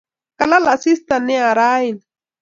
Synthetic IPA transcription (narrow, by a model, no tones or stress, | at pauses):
kalalaʔsist̪aneaɾain